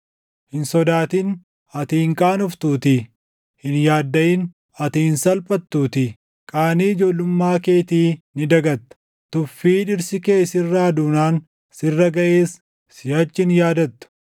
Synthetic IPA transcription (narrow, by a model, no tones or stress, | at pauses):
hɪnsɔd̪aːt̪in | ɐt̪iŋkʼaːnʊft̪uːt̪ɪ | hɪnjaːd̪ːɐʔɪn | ɐt̪iɪnsɐlpʼɐt̪ːuːt̪ɪ | kʼaːniːɪd͡ʒoːlʊmːaːke̞ːt̪iːnɪd̪ɐɡɐt̪ːɐ̥ | t̪ʊfːiːᶑɪɾsɪke̞ːsɪrːaːd̪uːnaːn | sɪrːɐɡɐʔe̞ːs | sɪjɐt͡ʃːɪnjaːd̪ɐt̪ːʊ̥